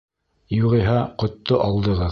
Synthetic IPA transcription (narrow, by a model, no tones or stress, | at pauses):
juʁɤ̆ɦɑqŏt̪ːoʔɑlˠd̪ɤ̆ʁɤ